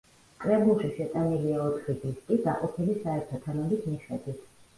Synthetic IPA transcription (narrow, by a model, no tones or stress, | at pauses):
kʼɾɛbulˠʃiʃɛt̪ʼaniliaɔt̪ʰχid̪iskʼisa̰qʼɔpʰilisaɛɾt̪ʰɔt̪ʰanɔbit̪ʰmiχɛd̪wit̪ʰ